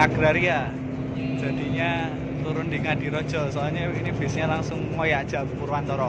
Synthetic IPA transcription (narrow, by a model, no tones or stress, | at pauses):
aɡ̥ɾaɾia | dd͡ʒ̥a̤d̪̥i̤ɲa | t̪uɾʊndiŋad̥i̤ɾɔd̥ʒ̥ɔ̤sɔɲainifɪsɲalaŋsʊŋmɔjaʔd̥ʒ̥a̤muɾuwant̪ɔɾɔ